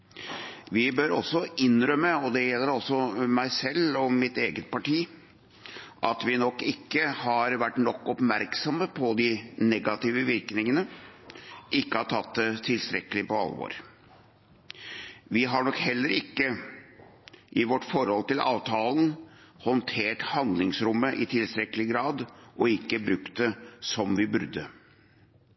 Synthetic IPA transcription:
ʋɪbøɾɔ̰sːɔʔɪnɾœmːəɔd̪ɛjɛlːəɾɔsːɔmæɪsɛlːɔmɪt̪eːɡət̪̚pʰɑʈiː | ʔɑt̪ʋɪnɔkːɪkːəhɑɾʋæʈːnɔkːɔpmæɾksɔməpʰɔd̪ɪnɛɡɑt̪iːʋəʋɪɾknɪŋənə | ʔɪkːəhɑʈʰɑt̪ːt̪ʰɪlst̪ɾɛkːəlɪpɔɑ̰lːʋo̰ːɾ | ʋɪɦɑɳɔkhɛlːəɾɪkːə | ʔɪʋɔʈːfɔɾhɔlt̪ɪlʔɑ̰ːʋt̪ʰɑːln̩ | hɔnt̪ʰeːʈhɑnd̪lɪŋsɾʊmːəʔɪt̪ʰɪlst̪ɾɛkːəlɪɡɾɑːd̪ʔɔɪkːəbɾʉkt̪̚d̪ɛsɔmʋɪbʉɾd̪ə

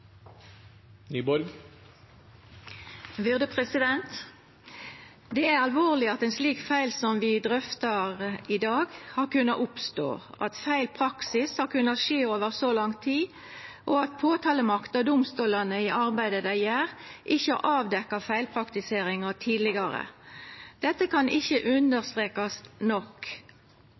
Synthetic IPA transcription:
nyːbɔɾɡ | ʋʏʁd̪əpʰʁɛsɪd̪ɛnt̪ | d̪ɛæʁɑlʋoːʁlɪɑt̪ɛnsliːkfæɪlsɔmʋɪd̪ʁʏft̪ɑʁɪd̪ɑːɡhɑːʁkʉnɑʔʊpst̪o̰ːʔɑ̰t̪fæɪlpʰʁɑksɪshɑʁkʉnːɑt̪ʃeːoːʋəʁsɔlɑŋt̪ʰiː | ʔɔɑt̪̚pʰoːt̪ʰɑːləmɑkt̪̚d̪ɑd̪ʊmst̪uːlɑnəɪʔɑʁbæɪd̪əd̪æjæːʁʔɪçːəɑʔɑːʋd̪ɛkːɑfæɪlpʰʁɑkt̪ɪseːɾɪŋɑt̪ʰiːd̪lɪɡɑɾə̰ | d̪̥ɛt̪ːəkʰɑnɪçːəʔʉnd̪əʁst̪ʁeːkɑsnɔk

